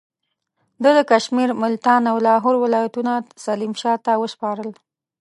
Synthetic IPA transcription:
d̪əd̪əkaʃmiɾmʊlt̪ɑnawlɑɦoɾwɪlɑjat̪unasalimʃɑt̪awəʃpɑɾəl

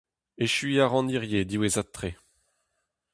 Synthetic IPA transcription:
eʃɥiaʁɑ̃niʁjed̪iwezat̪ːχe

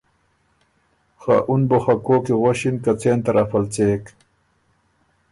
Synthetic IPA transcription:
xa̰ʔunboxakoːkiʁoɕinkat͡seːnt̪ɐɾɐfɐlt͡seːk

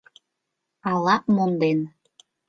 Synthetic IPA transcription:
ɑlɑpmond̪en

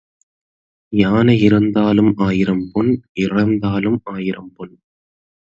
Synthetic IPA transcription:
jaːnɐɪɾɐnd̪aːlɯmaːjɪɾɐmpɔnʔɪrɐnd̪aːlɯmaːjɪɾɐmpɔn

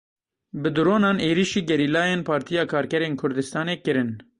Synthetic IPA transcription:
bɨd̪uɾoːnɑːneːɾiʃiːɡɛɾiːlɑːjeːnpʰɑːɾt̪ʰijɑːkʰɑːɾkɛɾeːnkʰʊɾd̪ɨst̪ɑːneːkɨɾɨn

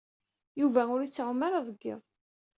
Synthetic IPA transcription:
juvæʊɾit͡sːəʁmaɾaðˤəɡːə̰ðˤ

